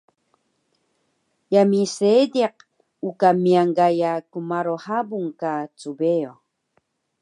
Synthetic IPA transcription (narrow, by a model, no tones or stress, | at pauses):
jamisediq | ukamiaŋɡajakumaɾohabuŋkat͡subeo